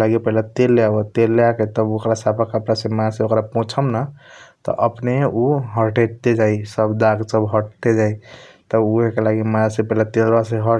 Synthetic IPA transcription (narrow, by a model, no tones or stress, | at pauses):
laɡipəɦlet̪elːeabat̪elːeaket̪əbokɾasapʰakəpɾasemãseokɾapõt͡ʃʰəmnat̪ɔ̰ʔəpneuɦəɾʈet̪ed͡ʒaisəbd̪aɡsəbɦəʈt̪ed͡ʒai | t̪əuɦekelaɡimãsẽpəɦilet̪elɾaseɦə